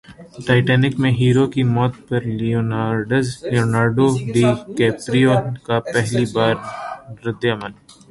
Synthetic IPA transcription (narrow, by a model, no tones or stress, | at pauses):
ʈaːɪʈɛːnɪkmẽɦiːɾokimɔːt̪pɐɾlionaːɾɖəzlioːnaːɾɖoɖiːkɛːpɾiokapɛɦlibaːɾɾɪd̪ːɐmən